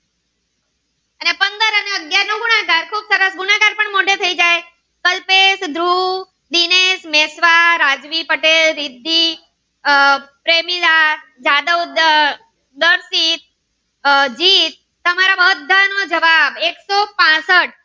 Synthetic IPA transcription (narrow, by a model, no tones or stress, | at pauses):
ənepənd̪əɾəneəɡjaɾnõɡuɽaɡaɾkʰuːbsəɾəsɡunaɡaɾpəɳmoɖʱet̪ʰəid͡ʒaj | kəlpesd̪ʱɾu | d̪inesmɛsʋaɾad͡ʒʋipəʈelːɪd̪ʱːi | pɾemilad͡ʒad̪əwd̪ | d̪əɾsit̪̚ | d͡ʒit̪̚ːəmaɾaʋəd̪ʱːanod͡ʒəʋabeksopãsəʈ̚